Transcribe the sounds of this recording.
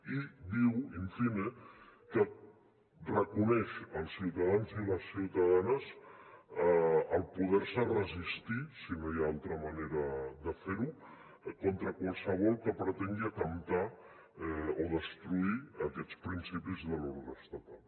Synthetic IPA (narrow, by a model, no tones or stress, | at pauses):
id̪iwiɱfinekə | rəkunɛʃəlˠsiwt̪əðanziləsːiwt̪əðanəs | əlˠpuð̞ɛɾsərəzist̪isinojaalˠt̪ɾəməneɾəðəfeɾu | kont̪ɾəkwalˠsəβ̞ɔlˠkəpɾət̪ɛŋɡiəkəmt̪a | oðəst̪ɾuiəkɛt͡spɾinsipizðəluɾɣəst̪ət̪alˠ